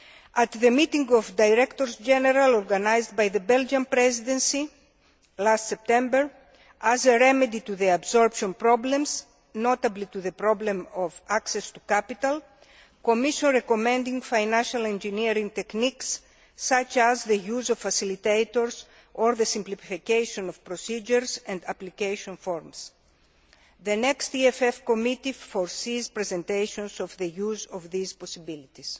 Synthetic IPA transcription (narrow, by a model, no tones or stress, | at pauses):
at̪ðemit̪ĩŋɡɔvd̪ajɾɛkt̪oɾsd͡ʒɛneɾaloɾɡanajzd̪̚bajðəbɛld͡ʒãnpɾɛzid̪ẽnsi | last̪sep̚t̪ɛ̃mbəɾ | ʔazeɹɛmed̪it̪uðeabsoɾpʃõnpɾɔblẽms | not̪ablit̪uðepɾɔblẽmɔvaksest̪u̥kapit̪al | komiʃõnɾekomẽnd̪ĩŋfajnãnʃɐlẽnd͡ʒiniɾĩŋ̚t̪ekniksː | at͡ʃɐzðejuzoffɐsilit̪ejt̪oɾs | oɾðesĩmplififikejʃõnofpɾosid͡ʒeɾsɐ̃nd̪ɐplikejʃõnfoɾms | ðenekst̪iefefkomit̪iffoɾsizpɾezẽnt̪ejʃõnsovðejuzovðizposibilit̪is